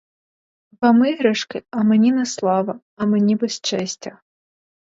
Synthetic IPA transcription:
pɐmɪɦɾɛʂkɪɐmenʲinɛslˠɑʋɐ | ɐmenʲibɛst͡ʃɛsʲtʲɐ

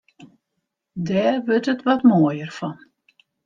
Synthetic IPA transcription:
dɛːrʋøtətʋɔtmoəjərfɔn

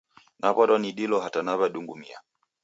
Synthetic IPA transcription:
nʔaβɔɾɔniɗilɔɦatanaβaɗuŋɡumḭa̰

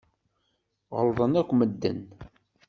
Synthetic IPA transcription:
ʁəlðˤənækʷːməd̪ːə̰n

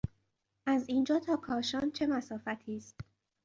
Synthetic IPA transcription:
ʔæziːnd͡ʒɒːt̪ʰɒːkʰɒːʃɒːnt͡ʃʰe̞mæsɒːfæt̪ʰiːst̪

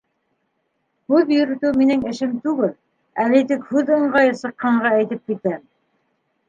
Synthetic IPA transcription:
hʉjɵ̆ɾɘ̆t̪ʉwminɘŋɘ̆ʃɘmt̪ʉɡɘl | ælit̪ɘkhʉðɤ̆ɴɢɑjɤsɤ̆qːɑɴɢɑæjt̪ɘp̚kit̪æm

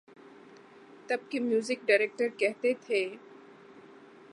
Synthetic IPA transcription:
t̪ɐb̚kemjuːzɪkɖaːɾeːk̚ʈəɾkɛɦt̪et̪ʰeː

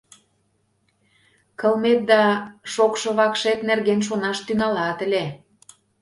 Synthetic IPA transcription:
kə̆lmet̪̚d̪ɑʃokʃɤ̆βɑkʃet̪nerɣenʃ̬onɑʃt̪yŋɑlɑt̪ə̆lʲe

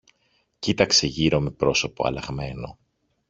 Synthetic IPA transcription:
cit̪ɐkse̞ʝiɾo̞me̞pɾo̞so̞po̞ɐ̰lɐɣme̞no̞̰

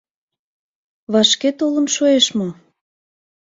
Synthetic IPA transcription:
βɑʃket̪olə̆nʃoeʃmɤ

